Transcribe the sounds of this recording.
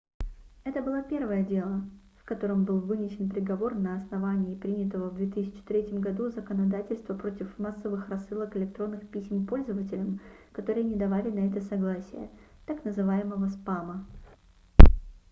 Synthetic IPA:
ɛt̪əbɨlˠapʲe̞rvəjədʲe̞lˠə | fkɐt̪o̞ɾəmbɨlˠvɨnʲɪsʲɪnpɾʲɪɡɐvo̞rnəɐsnɐvanʲɪːpɾʲinʲɪt̪əvəvd̪vʲet̪ɨsʲɪt͡ɕɪ̥t̪ɾʲetʲɪmɡɐd̪uzəkənɐd̪atʲɪlʲst̪vəpɾo̞tʲɪfmasːəvɨxrɐsːɨlˠəkɪlʲɪk̚t̪ɾo̞nːɨxpʲisʲmpo̞lʲzəvətʲɪlʲəmkɐt̪o̞ɾɨjənʲɪd̪ɐvalʲɪnɐɛt̪əsɐɡlˠasʲɪjə̰ | t̪aknəzɨvajɪməvəspamə

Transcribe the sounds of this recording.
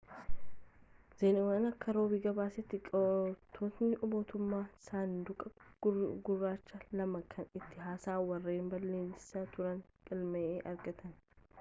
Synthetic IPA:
z̥eːnɪwɐnɐkːɐɾo̞ːbiːɡɐbaːsɛt̪ːɪkʼt̪ʰːot̪nɪʔʊbo̞ːt̪ʊmːaːsaːnd̪ʊkʼɐɡʊrːaːt͡ʃːɐlɐmɐkʰɐnɪt̪ːɪɦaːsaːwɐrːeːmbɐlːeːnsɐt̪ʊɾɐnkʼɪlmɐʔeːʔɐɾɡɐt̪ʰɐn

